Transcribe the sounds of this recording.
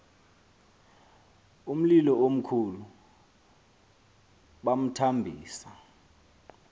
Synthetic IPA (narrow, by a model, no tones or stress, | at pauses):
um̩lilɔom̩kʰulu | ɓam̩tʰambʱiːsa